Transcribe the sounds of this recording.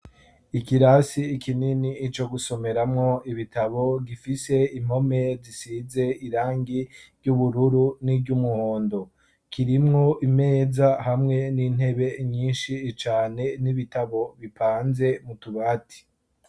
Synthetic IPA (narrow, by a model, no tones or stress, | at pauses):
ikiɾasiːkʰininiːt͡ʃo̞ɡuso̞me̞ɾamŋo̞iβitaβo̞ɡifise̞im̥o̞me̞zisize̞iɾaːŋɡiɾɟuβuɾuɾunibɟumuhoːndo̞ | kʰiɾimŋo̞ʔime̞ːzahamŋe̞nin̥he̞βe̞ɲiːnʃit͡ʃaːne̞niβitaβo̞βipʰaːnze̞mutuβaːti̥